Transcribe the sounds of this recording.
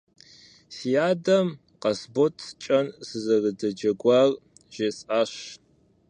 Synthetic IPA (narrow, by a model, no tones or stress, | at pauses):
sijaːdɐm | qɐsbotʰt͡ʃʼɐnzɨzɐrɨdɐd͡ʒɐɡʷɑr | ʒ̥esʼaːɕ